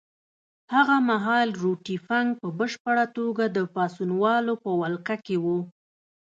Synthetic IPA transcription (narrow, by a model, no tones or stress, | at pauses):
haɣamaɦɑlɾoʈifaŋɡ̚pəbəʃpəɽat̪oɡad̪əpɑsunwɑlopəwalqakewu